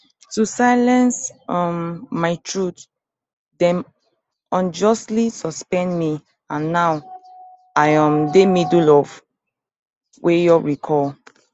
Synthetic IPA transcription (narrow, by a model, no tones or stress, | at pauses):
tusaɪlɛ̃nsɔmːaɪtʰɹut | dɛ̃n | ɔ̃nd͡ʒɔstlisɔspɛ̃ndmi | ãnːaw | ajãmdemidulɔv | wʔejɔɹikʰɔl